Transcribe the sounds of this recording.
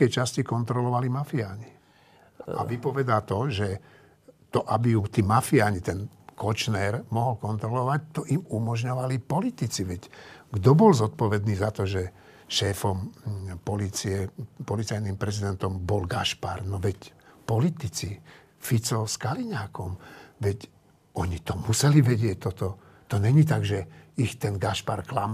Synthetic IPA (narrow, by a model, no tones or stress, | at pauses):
ɛjt͡ʃascikɔnt̪ɾɔlɔʋalimafiaːɲi | a̰ʋipɔʋɛd̪aːt̪ɔʒɛ | t̪ɔʔabijut̪iːmafiaːɲit̪ɛnkɔt͡ʃnɛːɾmɔɦɔlkɔnt̪ɾɔlɔʋac̚t̪ɔʔimumɔʒɲɔʋalipɔlit̪it͡siʋɛcɡd̪ɔbɔlzɔt̪̚pɔʋɛd̪niːzat̪ɔʒɛ | ʃɛːfɔmpɔliːt͡siɛpɔlit͡sajnimpɾɛzid̪ɛnt̪ɔmbɔlɡaʃpaɾnɔʋɛcpɔlit̪it͡si | fit͡sɔskaliɲaːkɔmʋɛc | ɔɲit̪ɔmusɛliʋɛɟɪɛc̚t̪ːɔt̪ɔ | t̪ɔɲɛɲit̪aɡʒɛixt̪ɛnɡaʃpaɾklam